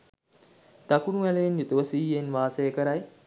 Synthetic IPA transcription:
t̪akunuʋæleenjut̪uʋəsiːenʋaːsejəkəɾaj

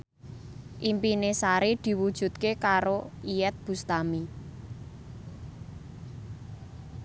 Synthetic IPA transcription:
ʔimpinesaɾid̪̥i̤wud̥ʒ̥ṳt̪̚kekaɾoijɛt̪̚b̥ṳst̪ami

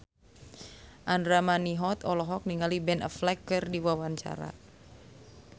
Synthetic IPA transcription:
ʔandɾamaniɦɔt̪ɔlɔɦɔk̚niŋalibɛnə̰flɛkːɨrdiwawaɲt͡ʃa̰ɾa̰

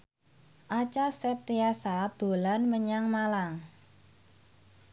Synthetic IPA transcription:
ʔat͡ʃasɛp̚t̪easad̪̥o̤lanməɲaŋmalaŋ

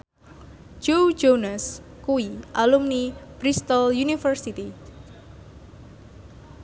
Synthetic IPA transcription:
d͡ʒowd͡ʒonas | kuiʔalumnib̥ɾist̪ɔljunifərsit̪i

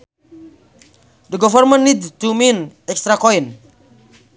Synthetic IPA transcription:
dəɡɔvəɾmə̃nnidtumĩnɛkstɾakɔĩn

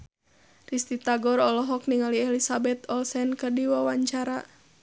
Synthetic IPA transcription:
rist̪it̪aɡɔɾɔlɔɦɔk̚niŋaliɛlisabɛt̪ɔlsɛnkərdiwawaɲt͡ʃaɾa

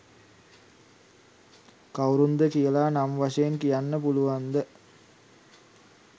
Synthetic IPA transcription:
kawɾund̪əkijəlaːnamʋaʂɐjenkijanːəpuluʋand̪ə

